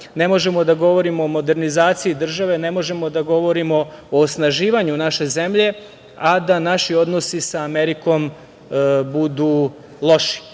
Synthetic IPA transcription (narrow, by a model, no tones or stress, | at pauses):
ne̞mo̞ʒe̞mo̞d̪aɡo̞ʋo̞ɾimoːmo̞d̪e̞ɾnizaːt̪sijid̪r̩ʒaʋe̞ne̞mo̞ʒe̞mo̞d̪aɡo̞ʋo̞ɾimo̞oːsnaʒiːʋaɲunaʃe̞zemʎe̞ | ad̪anaʃio̞d̪nosisaːmeɾiko̞m | bud̪uː | lˠo̞ʃi̥